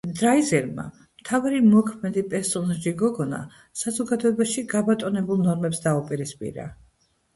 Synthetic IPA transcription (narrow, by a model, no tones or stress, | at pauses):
d̪ɾaizɛɾma̰ | mt̪ʰavɾimɔkʰmɛd̪ipʼɛɾsɔnaʒiɡɔɡɔna̰ | sazɔɡad̪ɔɛbaʃiɡabat̪ʼɔnɛbulˠnɔɾmɛpsd̪aupʼiɾispʼḭɾa̰